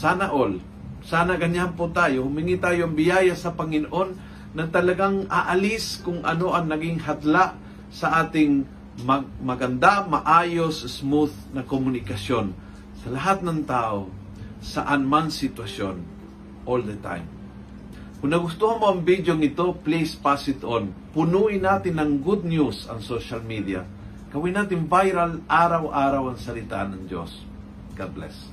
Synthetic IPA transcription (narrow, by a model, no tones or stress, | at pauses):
sanaʔol | saːnaɡɐɲampot̪aːjohʊmiŋit̪aːjoɐŋbɪjajasɐpɐŋɪnoʔonː | ɐt̪ɐlɐɡaŋaʔaliskʊŋʔɐ̰noʔɐŋnɐɡɪŋɦat̪laʔ | sɐʔaːt̪ɪŋ | mɐmɐɡɐnd̪amaʔajosɐsmuθ | nɐkomʊnɪkɐsjon | sɐlaɦat̪̚nɐŋt̪ao | sɐʔanmansɪt̪wɐsjon | ʔold̪ət̪a̰jm | kʊnnɐɡʊst̪uhɐnmoɐŋvid̪joŋɪt̪o̞plispasɪt̪onpʊnuʔɪnaːt̪ɪnɐŋɡud̪̚njusɐ̰ŋsoʃalmid̪ia̰ | kɐwinaːt̪ɪnvajɾalʔaːɾawʔaːɾawɐŋsɐlɪt̪a̰ʔnːɐŋd͡ʒo̰s | ɡad̪lɛ̰s